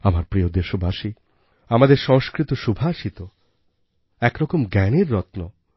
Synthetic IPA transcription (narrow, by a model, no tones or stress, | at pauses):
amaɾpɾiod̪eʃobʱaʃi | amad̪eɾʃɔŋʃkɾit̪oʃubʱaʃit̪o | ɛkɾɔkomɡɛneɾːɔt̪no